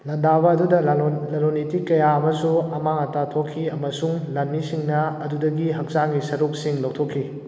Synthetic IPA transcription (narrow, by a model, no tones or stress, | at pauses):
lɐndaβɐːdudɐlɐlonitikːɐjaɐmɐsuɐmaŋɐtatʰokʰːiɐmɐsuŋlɐnmisiŋnɐɐdudɐɡiɦɐk̚saŋɡisɐɾuk̚siŋlɐwtʰokʰːi